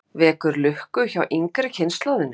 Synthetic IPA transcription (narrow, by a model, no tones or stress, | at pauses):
vɛːkʏɾlʏhkʏçawʔiŋkɾɪcʰɪnst̪lawðɪnː